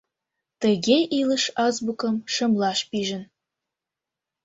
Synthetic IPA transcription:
t̪əɣʲeʔiləʃɑzbukəmʃə̆mlɑʃpiʒə̆n

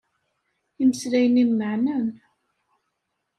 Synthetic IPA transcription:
iməslæjəninməʕnæn

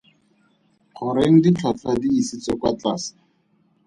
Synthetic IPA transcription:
χʰʊɾeŋ̩dit͡ɬʰat͡ɬʰadiːsit͡sɔkwat͡ɬaːsḁ

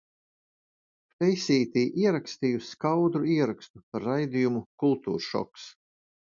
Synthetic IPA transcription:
fʲɛjsʲiːt̪iːʔiɛɾakst̪ijusʲkawd̪ɾuiɛɾakst̪upaɾːajd̪ijumukulˠt̪ṵːɾʃɔ̰ks

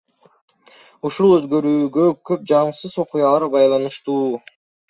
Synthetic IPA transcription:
uʃulˠøzɡø̞ɾyːɡøkʰøp̚d͡ʒɑɴsɯzo̞qujɑlˠɑɾbɑjlˠɑnɯʃt̪uː

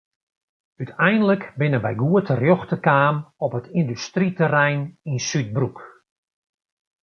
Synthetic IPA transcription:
ytʰɛjndələkbɪnəbɛjɡuətərjɔxtəkaːmɔpətʰindystritərɛjninsyt̚bruk

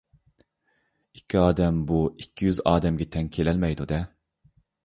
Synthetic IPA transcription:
ikʲʰːiɑːd̪ɛmbuikʲʰːijyzɑːd̪ɛmɡʲɛt̪ʰɛŋkʲʰelɛlmɛjd̪ud̪ɛ

